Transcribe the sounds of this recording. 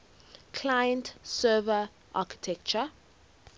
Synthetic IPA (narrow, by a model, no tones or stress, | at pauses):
kʰlajə̃ntsɛːvə | ʔa̰ki̥tʰɛk̚t͡ʃə